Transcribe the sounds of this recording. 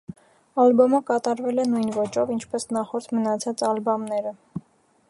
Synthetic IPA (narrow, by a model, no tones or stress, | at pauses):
ɑlbɔməkɑt̪ɑɾvɛlɛnujnvɔt͡ʃɔvint͡ʃʰpɛsnɑχɔɾt̪ʰmənɑt͡sʰɑt͡sɑlbɑmnɛɾə